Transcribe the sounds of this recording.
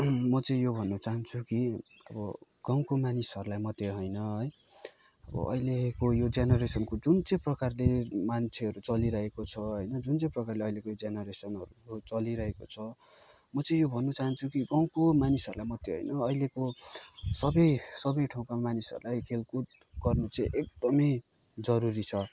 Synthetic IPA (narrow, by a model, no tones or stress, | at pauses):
mʌt͡sʌĩjobʱʌnːʌt͡saɦʌnt͡sʰukiʌbʌ | ɡ̥aw̃komanisʌɾulajmʌt̪jeɦojnʌɦʌj | ʌbʌ̰ʔʌ̰ilekojod͡zjanʌɾesʌnkod͡zunt͡sʌj̃prʌkarlemant͡sʰeʌɾut͡sʌliɾʌɦekot͡sʰʌɦʌjnʌd͡zunt͡sʌj̃prʌkarleʌilekojod͡zjanʌɾesʌnʌ̰ɾut͡sʌliɾʌɦekot͡sʰʌ | mʌt͡sʌĩjobʱʌnːut͡saɦʌnt͡sʰukiɡaw̃komanisʌɾulajmʌt̪ːeɦo̰jnʌʌileko | sʌbʌjsʌbʌjʈʰaw̃kamanisʌ̰ɾulajkʰelkut̪̚ | ɡʌrnut͡sʌ̃ʔek̚d̪ʌmʌj | d͡zʌɾuɾit͡sʰʌ